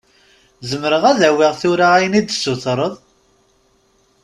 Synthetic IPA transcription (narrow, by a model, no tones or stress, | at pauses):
zəmɾəʁæðæwiʁθʊɾaæjənid̪sːʊθɾˤəðˤ